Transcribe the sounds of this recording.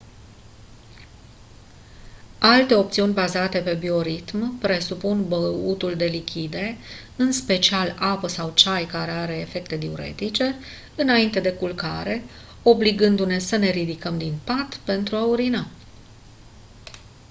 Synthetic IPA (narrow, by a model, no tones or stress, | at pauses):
alt̪e̞o̞pt̪siunʲbazat̪e̞pe̞bio̞ɾit̪mpɾe̞supunbəut̪uld̪e̞likʲid̪e̞ | ɨnspe̞t͡ʃialapəsawt͡ʃajkaɾe̞aɾe̞ːfe̞k̚t̪e̞d̪iuɾḛt̪it͡ʃe̞ | ɨnaint̪e̞d̪e̞kulkaɾe̞ | o̞bliɡɨnd̪une̞səne̞ɾid̪ikəmd̪inpat̪pe̞nt̪ɾuauɾina